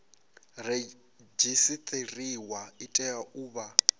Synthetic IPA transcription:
re | d͡ʒisit̪ʰʼeriwaitʼɛjaʔuːβa

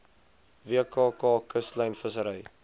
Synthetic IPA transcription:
viəkɑːkɑːkəsləjnfəsəɾəj

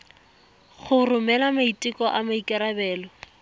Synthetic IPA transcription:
χʊrʊmɛlamaitʼɪkɔʔamaikʼɪɾabɛːlɔ

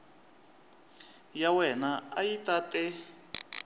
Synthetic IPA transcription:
jawɛnaajitatʼɛ

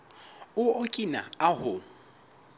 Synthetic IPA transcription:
ʊokʼina̰aɦʊ

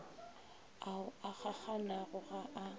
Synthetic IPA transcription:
aʊaχak͡xʰanaɣʊɣaʔa

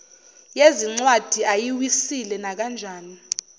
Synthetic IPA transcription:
jeziŋ͡ǀwad̥ʱiʔajiwisilɛnak̬and͡ʒʱaːni

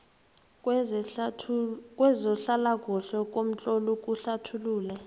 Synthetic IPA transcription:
kʼwɛzɔɬalak̬ʼuɬɔk̬ʼom̩t͡ɬʼɔlukʼuɬatʰuluːlɛ

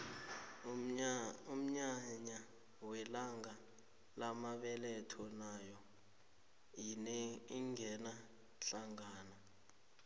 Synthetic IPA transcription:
um̩ɲaɲa | wɛlaŋa | lamaɓɛlɛtʰɔnajɔ | iiŋʱɛna | ɬaŋaːna

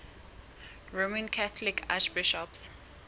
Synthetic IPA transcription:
ɹomɛ̃nkʰaθɔlikʰa̰ʃbiʃɔps

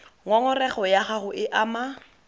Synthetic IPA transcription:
ŋwaŋʊrɛχɔjaχaχʊʔɪʔama

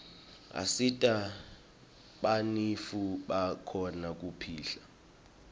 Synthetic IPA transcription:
a̰sitʼa | ɓanifuɓakʰɔnak̬upʰiːɬa

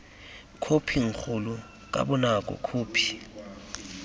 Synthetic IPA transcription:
kʰopʰiŋ̩k͡xʰulu | k̬ʼa̰ɓɔnak̬ʼɔ̰kʰoːpʰi̥

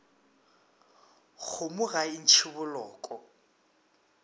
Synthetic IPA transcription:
ɣʰʊmʊɣain̩t͡ʃʰɪβʊlɔːkʼɔ

